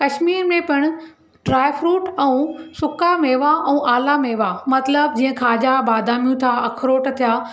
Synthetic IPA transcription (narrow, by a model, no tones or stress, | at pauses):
kɐʃmiːɾmẽpɪɽ̃ʊ̆ | ɖɾaːjfɾuːʈɛ̃ũsʊkameːʋaʔɛ̃ːʔaːlameːʋamɐt̪ləbd͡ʑiːə̃kʰaːd͡ʑabaːd̪ʱaːmijũt̪ʰaɐkʰɾoːʈt̪ʰijaː